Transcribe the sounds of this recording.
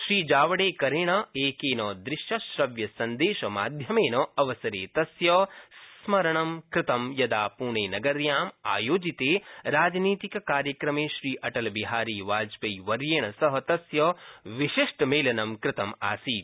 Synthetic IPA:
ʃɾiːd͡ʒaːʋɐɽeːkɐɾeːɳɐeːkeːnɐːd̪ɾɪʃjɐʃɾɐʋjɐsɐnd̪eːʃɐma̰ːd̪ʱjɐmeːnɐɐʋɐsɐɾḛːt̪ɐsjɐsmɐɾɐɳɐmkɾɪt̪ɐmjɐd̪aːpuːɳeːnɐɡɐɾjaːma̰ːjoːd͡ʒit̪eːɾaːd͡ʒniːt̪ikɐkaːɾjɐkɾɐmeːʃɾiːʔɐʈɐlbiɦaːɾiːʋaːd͡ʒpɐjʋɐɾjeːɳɐsɐɦɐt̪ɐsjɐʋiʃiʂʈmeːlɐnɐmkɾɪt̪ɐma̰ːsiː

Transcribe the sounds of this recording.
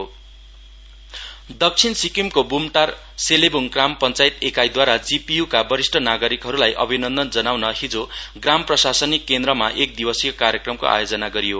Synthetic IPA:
o | d̪ʌk̚t͡sʰinsikimkobumʈar | selebuŋkrampʌnt͡sajt̪ekajd̪waɾad͡zipijukabʌɾisʈʰʌnaɡʌɾikɦʌɾulajʔʌ̰bʱinʌnd̪ʌnd͡zʌnawnʌɦid͡zoɡramprʌsasʌnikːend̪rʌmaʔek̚d̪ibʌsiokaɾjʌkrʌmko̰ʔa̰jod͡zʌnaɡʌɾijo

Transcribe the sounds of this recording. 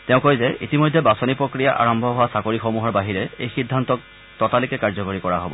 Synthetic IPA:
tɛʊ̃kojzɛʔḭtimɔjdʱːɛbasɔnipɹokɹijaʔa̰ɹɔmbʱɔɦʊwasakoɹixomuɦɔɹbaɦiɹɛejxidʱːantɔk̚ | tɔtalikɛkaɹzɔkoɹikɔɹaɦobɔ̰

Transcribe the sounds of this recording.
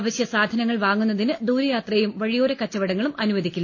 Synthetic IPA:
ʋɐɕjɐsaːd̪ʱɐnɐŋːɐɭʋaːŋːunːɐðinɨd̪uːɾɐjaːt̪rɐjumʋɐɻijo̞ːɾɐkɐt͡ɕːɐʋɐɽɐŋːɐɭumʔɐnuʋɐd̪ʱikʲːulː

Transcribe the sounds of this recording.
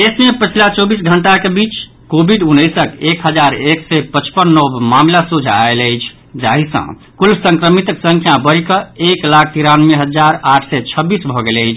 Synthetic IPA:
d̪esmepət͡ʃʰilat͡ʃɔbisɡʱəɳʈakebit͡ʃ | kobʱiɖunːəjsəkekɦəd͡ʒaɾeksɛpət͡ʃpənːɔbmamlasud͡ʒʱaaeləɪt͡ʃʰ | d͡ʒaɦisə̰̃ | kulsə̃ŋkɾəmit̪əksə̃ŋkʰjabəɾikəeklakʰt̪iɾanmeɦəd͡ʒaɾaʈʰsɛt͡ʃʰəbːisbʱɔɡeləjt͡ʃʰ

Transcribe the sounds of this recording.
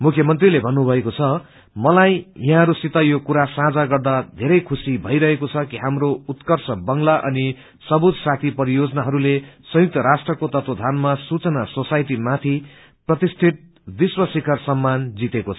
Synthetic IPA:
mukʰjʌmʌnt̪rilebʱʌnːubʱʌekot͡sʰʌ | mʌlajjaɦãɾusit̪ʌjokuɾasãd͡zaɡʌrd̪ad̪ʱeɾʌjkʰusibʱʌiɾʌɦekot͡sʰʌkiɦamɾout̪kʌrsʰʌbʌŋlaʔʌ̰ni | sʌbut̪sat̪ʰipʌɾijod͡zʌnaɦʌɾulesʌ̃juk̚t̪ʌɾasʈrʌkot̪ʌt̪wod̪ʱanmasut͡sʌnasosajʈimat̪ʰi | prʌt̪isʈ̪ʰiʈ̪̚ | b̪iswʌsikʌrsʌmːand͡zit̪ekot͡sʰʌ̥

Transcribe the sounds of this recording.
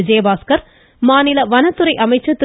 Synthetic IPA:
ɪd͡ʒeːbaːskɐɾ | maːnɪlɐʋɐnɐt̪ːɯɾɐɪʔɐmɐɪt͡ʃːɐt̪ːɪ

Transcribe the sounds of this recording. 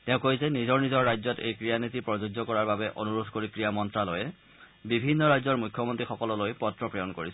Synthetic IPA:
tɛ̃ʊ̃kojzɛnizɔɹnizɔɹɹajzɔtḛjkɹijanitipɹɔzoɡzɔkɔɹaɹbabɛʔonuɹudʱkoɹikɹijamɔntɹalojɛ | bibʱinːɔɹajzɔɹmujkʰjɔmontɹixɔkɔlɔlojpɔtɹɔpɹɔjɔnkoɹisɛ

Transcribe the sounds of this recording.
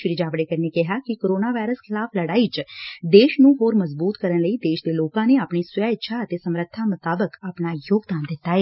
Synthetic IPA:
ʃɾɪd͡ʒaːʋɽeːkəɾinekɛɦaːkɪkoːɾoːnaːʋaːɾəskʰɪlaːpʰləɽaːit͡ʃd̪eːʃnũːɦoːɾməzbuːt̪kəɾənləiːd̪eːʃd̪eːloːkãːneːaːpɳiːswʊjaːɪtːʃʰaːət̪eːsəmɾət̪ʰːamʊt̪aːbəkaːpnaːjoːɡd̪aːnd̪ɪt̪ːaːɦɛː

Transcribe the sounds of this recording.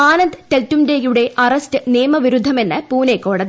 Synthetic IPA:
aːnɐnd̪ɨt̪eltːumdejuɽe̞ʔɐrɐstɨneːmɐʋiɾud̪ʱːɐme̞nːɨpuːnekːo̞ːɽɐði

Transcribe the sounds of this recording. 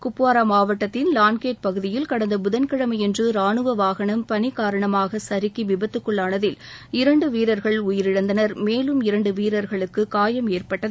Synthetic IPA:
kʊpːʋaːɾaːmaːʋɐʈːɐt̪ːɪnlaːnkeːʈ̚pɐɣɯðɪjɪlkɐɽɐnd̪ɐbʊðɐnkɐɽɐmɐjɛndrɯɾaːɳɯʋɐʋaːɣɐɳɐmpɐnɪkːaːɾɐɳɐmaːɣɐsɐɾɪkːiʋɪbɐt̪ːɯkːɯɭːaːɳɐðɪl | ɪɾɐɳɖɯʋiːɾɐɾɣɐɭʊjɪɾɪɽɐnd̪ɐnɐɾmeːlɯmɪɾɐɳɖɯʋiːɾɐɾɣɐɭɯkːɯkaːjɐmeːrpɐʈːɐð

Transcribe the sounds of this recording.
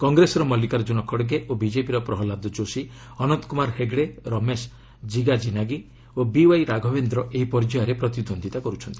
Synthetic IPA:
kɔŋɡɾesɔɾɔmɔlikaɾd͡ʒunɔkʰɔɽɡeʔobid͡ʒepiɾɔpɾɔɦɔlad̪ɔd͡ʒosi | ɔnɔnt̪ɔkumaɾheɡɽeɾɔmes | d͡ʒiɡad͡ʒinaɡi | obiwajɾaɡʱɔbend̪ɾɔʔeɦipɔɾd͡ʒajɔɾepɾɔt̪id̪ʱond̪ʱit̪akɔɾut͡ʃʰɔnt̪i̥

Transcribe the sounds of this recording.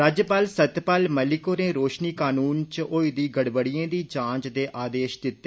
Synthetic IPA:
ɾaːd͡ʒjəpaːlsət̪paːlməlɪkoːɾeːɾoːʃniːkaːnuːnt͡ʃoːid̪iːɡəɽbəɽɪjẽːd̪iːd͡ʒãːt͡ʃd̪eːʔaːd̪eːʃd̪ɪt̪ː

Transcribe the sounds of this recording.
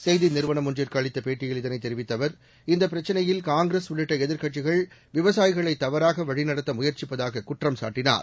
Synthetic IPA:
sɛjðɪnɪɾɯʋɐɳɐmʊnd͡ʒɪɾkaːɭɪt̪ːɐpeːʈːɪjɪlɪðɐnɐɪt̪ːɛɾɪʋɪt̪ːɐʋɐɾ | ɪnd̪ɐp̬ːɪɾɐt͡ʃːɐnɐjɪlkaːŋɡɾesʋɪɭɪʈːɐɛðɪɾkɐʈːɪɣɐɭ | ʋɪʋɐsaːjɪɣɐɭɐɪt̪ːɐʋɐɾaːɣɐʋɐɻɪnɐɽɐt̪ːɐmʊjɐɾt͡ʃɪpːɐðaːɣɐkʊʈrɐmsa̰ːʈːɪna̰ːɾ

